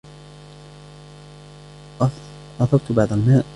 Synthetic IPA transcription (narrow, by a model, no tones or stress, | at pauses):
ʔɑθɑbt̪baʕd̪ˤalmaːʔ